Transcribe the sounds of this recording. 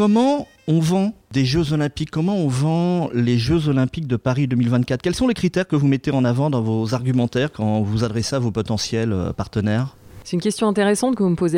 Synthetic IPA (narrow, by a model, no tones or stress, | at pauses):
kɔmɑ̃ | ɔ̃vɑ̃d̪eʒøzɔlɛ̃pikʰːɔmɑ̃ɔ̃vɑ̃leʒøzɔlɛ̃pik̚d̪əpaʁid̪ømilvɛ̃t̪̚kat̪χkʲɛlsɔ̃lekχit̪ɛʁkəvumɛt̪eɑ̃navɑ̃d̪ɑ̃vozaʁɡʲymɑ̃t̪ɛʁkɑ̃vuzad̪ʁɛseavopɔt̪ɑ̃sjɛlø̰paʁt̪ənɛːʁsɛt̪ynkʲɛst̪jɔ̃ɛ̃t̪eʁɛsɑ̃t̪̚kəvuməpoze